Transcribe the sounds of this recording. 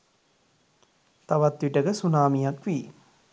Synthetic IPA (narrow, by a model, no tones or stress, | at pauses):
t̪aʋat̪ʋiʈəɡəsunaːmijakʋiː